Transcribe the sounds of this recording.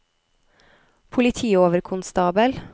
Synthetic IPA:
pʰʊlɪt̪ʰiːoːʋəɾkʰʊnst̪ɑːbəl

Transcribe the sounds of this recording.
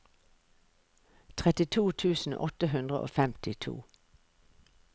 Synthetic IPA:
t̪ʰʁɛt̪ɪt̪ʰuːt̪ʰʉːsn̩ʔɔ̰t̪əɦʉnd̪ʁəʔo̰ːfɛmt̪ɪt̪ʰṵː

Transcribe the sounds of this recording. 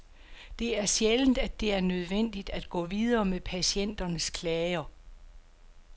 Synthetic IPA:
d̥e̝æɐsjeln̩d̥æd̥e̝æɐnøð̞ˠʋen̰d̥id̥æd̥ɡ̥ɔ̰̽ːʋið̞ˠɐːmepʰæɕen̰d̥ɐnəskʰlɛɪɐ

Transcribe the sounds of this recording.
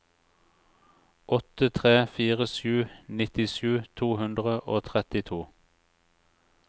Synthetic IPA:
ʔɔt̪ət̪ʰʁeːfiːʁəʃʉːnɪt̪ɪʃʉːt̪ʰuːhʉnd̪ʁəʔoːt̪ʰʁɛt̪ɪt̪ʰuː

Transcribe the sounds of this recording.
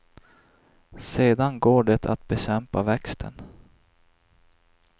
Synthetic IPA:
seːd̪anɡoːɖɛt̪ʰa̰t̪̚bɛɕɛmpavɛkst̪ʰə̰n

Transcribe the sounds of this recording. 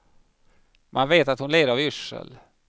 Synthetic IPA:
mʔanveːt̪at̪hʊnleːd̪əɾavʏʂə̰l

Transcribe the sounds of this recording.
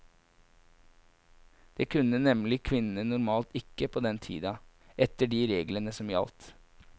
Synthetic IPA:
d̪̥eːkʰʉnːənɛmlɪkʰʋɪnn̩ənʊɾmɑːlt̪ɪkːəpʰoːd̪ɛnt̪ʰḭːd̪ɑ | ʔɛt̪əɖiɾeːɡlənəsɔmjɑ̰lt̪

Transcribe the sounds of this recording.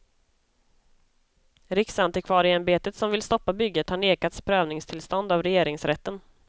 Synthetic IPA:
ɾɪksand̪ɪkʰvɑːɾɪɛnbeːt̪ət̪sɔmvɪlst̪ɔpːabʏɡːət̪haɳeːkat̪spʰɾøːvnɪŋst̪ʰɪlst̪ɔnd̪avɾɛjeːɾɪŋsɾɛt̪ːən

